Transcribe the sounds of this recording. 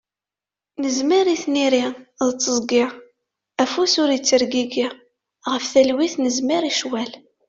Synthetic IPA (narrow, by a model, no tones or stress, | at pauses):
nəzmiɾiθniɾiðt͡sːəzˤɡɪʁ | æfusʊɾit͡sːəɾɡiɡi | ʁəfθælwiθnəzmiɾiʃwæl